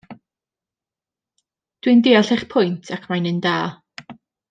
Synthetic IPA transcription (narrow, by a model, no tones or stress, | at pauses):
d̥wɪndɪːaɬɛχpʰʊjntʰakʰmajnɨndaː